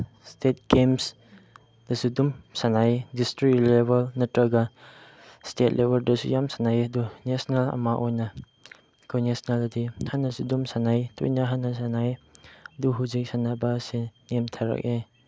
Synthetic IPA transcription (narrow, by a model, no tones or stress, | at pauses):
stʰet̚ɡems | d̥ɐsudumsanajdistɾik̚lebalnɐtɾaɡa | stʰet̚lebaldɐsṵjamsanajdunesnalɐ̰maʔɔjnɐ | kʰonesnaladihanɐsudumsanajtṵjnaɦanɐsanajduɦuzik̚sanabasinemtʰaɾa̰k̚e